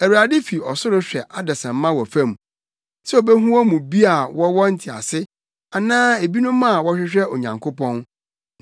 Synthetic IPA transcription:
æ˨wu˨a˨dɪ˦fi˨ɔ˨sʊ˦ɾʊ˦ɕᶣɛ˨ʔa˦dɛ˨sɛ̃˨m̩˦mã˦wɔ˨fã˦m˨ | sɛ˦o˨be˦ɦũ˦ɔ˦mũ˨bi˦a˨wɔ˦wɔ˦n̩˦tʰi˨a̰˨sɪ˦ | a˨nãː˦e˨bi˦nʊ̃˦mːã˦a˨wɔ˦ɕᶣɪ˦ɕᶣɛ˦o˨ɲã̰˨ŋkʰo˦pɔ̃˦n

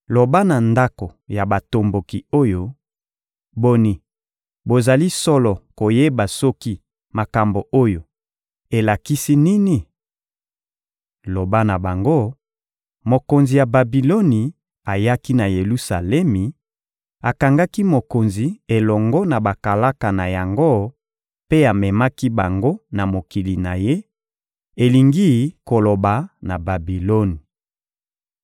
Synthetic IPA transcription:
lo˨ba˦na˨nda˦ko˨ja˨ba˨to˨mbo˨ki˨o˦jo˦ | bo˦ni˨ | bo˨za˨li˦sɔ˦lɔ˨ko˨je˦ba˨sɔ˦ki˦ | ma˨ka˨mbo˨ʔo˦jo˨ | e˨la˨ki˦si˦ni˦ni˨ | lo˨ba˦na˨ba˨ŋɡo˦ | mo˨ko˨nzi˨ja˨ba˨bi˨lo˦ni˨ | a˨ja˦ki˦na˨je˨lu˦sa̰˨lɛ˦mi˨ | a˨ka˨ŋɡa˦ki˦mo˨ko˨nzi˨e˨lɔ˨ŋɡɔ˦na˨ba˨ka˨la˦ka˨na˨ja˨ŋɡo˦ | pe˦a˨mɛ˨ma˦ki˦ba˨ŋɡo˦na˨mo˨ki˨li˨na˨je˦ | e˨li˨ŋɡi˦ko˨lo˨ba˨na˨ba˨bi˨lo˦ni˨

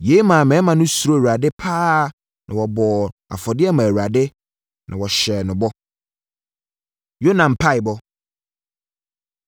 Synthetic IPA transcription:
je˨˦i˦mã˨mɛ̃˨˦mã˨nʊ̃˦su˨ɾo˦˨wa˨dɪ˦pʰaː˦˨ | nʔã˨wɔ˨bɔ˨a̰˨fɔ˨dɪ˦ɛ˦mã˨wu˨ɾa˨dɪ˦ | nʔã˨wɔ˨ɕɛ˨nʊ̃˨bɔ˦ | jo˦nã˨m˨pʰa˦ɪ˨bɔ˦

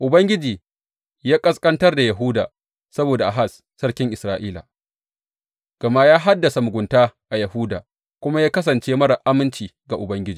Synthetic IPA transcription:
ʔʊ˨bɐ˦ŋɡʲɪ˦d͡ʒiː˨ | jaː˦kʼɐ˦skʼɐ˦ntɐ˦rda˨jɐ˨ɦuː˦da̰ː˨ | sɐ˦boː˨da˨ʔa˨ɦa˦˨s | sɐ˦ɽkʲɪ˦ŋʔɪ˨sɾaː˦ʔiː˦la̰˨ | ɡ̥ɐ˨ma˦jaː˦ɦa˦dːɐ˨sa˨mʊ˨ɡʷʊ˨ntaː˦ʔa˨jɐ˨huː˦da̰ː˨ | kʷʊ˦ma˦jaː˦kɐ˦s̬ɐ˨nt͡ʃeː˦mɐ˦ɽa˨ʔa˦mɪ˦nt͡ʃiː˨ɡa˨ʔʊ˨bɐ˦ŋɡʲɪ˦d͡ʒiː˨

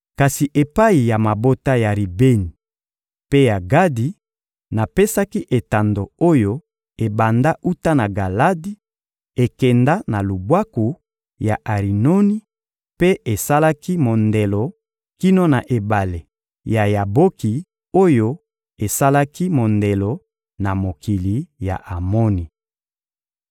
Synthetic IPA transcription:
ka˨si˨ʔe˨pa˦i˨ja˨ma˨bo˦ta˦ja˨ʁi˨be˦ni˨ | pe˦ja˨ɡa˦di˨ | na˨pe˦sa˦ki˦ʔe˨ta˨ndo˨o˦jo˦ | e˨ba˨nda˦u˦ta˦na˨ɡa˨la˦di˦ | e˨kɛ˨nda˦na˨lu˨bwa˦ku˨ | ja˨ʔa˨ʁi˨no˦ni˦ | pe˦e˨sa˦la˦ki˦mo˨nde˨lo˨ | ki˦no˦na˨ʔe˨ba˨le˨ | ja˨ja˨bo˦ki˨ | o˦jo˦ | e˨sa˦la˦ki˦mo˨nde˨lo˨ | na˨mo˨ki˨li˨ja̰˨ʔa˨mo˦ni˨

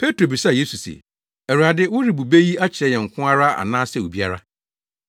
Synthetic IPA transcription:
pʰe˦tʰɾo˨bi˨sa˨je˦su˨sḛ˨ | æ˨ɾu˨a˨dɪ˦wʊ˦ɾi˨bu˨be˦ji˦a˦t͡ɕʰɪ˨ɾɛ˦jɛ˨ŋ̩˨kʷʰʊ̃˦a˦ɾa˦a̰˨nãː˦sɛ˦˨wu˨bi˦a˦ɾa˦

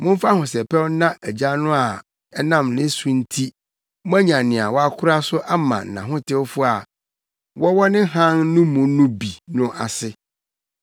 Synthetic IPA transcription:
mʊ̃˦m˦fa˦hʊ̃˨sɛ˨pʰɛ˦wnã˦ʔæ˨d͡ʑa˦nʊ̃˦a˨ | ɛ˦nã˦˨mnɪ̃˦sũ˦n̩˦tʰi˦ | m˦ã˦ɲã˨nɪ̃˨a˨wɔ˦a˦kʰʊ˦ɾa˦sʊ˦ʔa˦mã̰˨n˨nã̰˨ɦʊ̃˦tʰɪ˦wfʊ˦a˨ | wɔ˦wɔ˦nɪ̃˦ɦã˦nnʊ̃˦mʊ̃˨nʊ̃˦bi˨nʊ̃˦ʔa˨sɪ˦

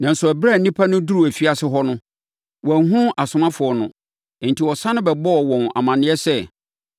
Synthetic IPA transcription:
nã˨n˨sʊ˨æ˨bɾa˦˨nĩ˦pʰa˦nʊ̃˦du˦ɾu˨æ˨fi˦a˨sɪ˦ɦɔ˦nʊ̃˦ | wɔ˨˦ɦũ˦a˨sʊ˨mã˦fʊ˨ɔ˨nʊ̰̃˨ | n̩˨tʰi˨wɔ˨sã˦nʊ̃˦bɛ˨bɔ˦ɔ˨wɔ̃˨na̰˨mã˨nɪ̃˦ɛ˦sɛ˦

